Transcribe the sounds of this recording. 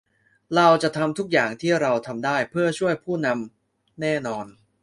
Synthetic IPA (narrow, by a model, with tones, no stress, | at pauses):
ɾa˧wt͡ɕa˨˩t̪ʰa˧mt̪ʰu˦˥k̚jaː˨˩ŋt̪ʰiː˥˩ɾa˧wt̪ʰa˧mdaː˥˩jpʰɯ˥˩ɐt͡ɕʰu˥˩əjpʰuː˥˩na˧m | nɛː˥˩nɔː˧n